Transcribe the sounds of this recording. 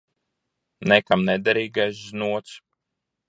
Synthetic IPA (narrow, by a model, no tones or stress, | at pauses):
nɛkamnɛd̪aɾiːɡajsznuɔt̪s